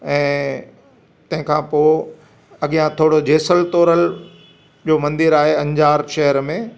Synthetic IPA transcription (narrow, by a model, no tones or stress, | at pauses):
ɛ̃ː | t̪ɐ̃ɦɪ̃kʰãpoː | ɐɠijãt̪ʰoːɽod͡ʑeːsəlt̪oːɾəl | d͡ʑoːmɐ̃nd̪ɪɾaːɦeɐ̃ɲd͡ʑaːɾʃɐɦəɾmẽː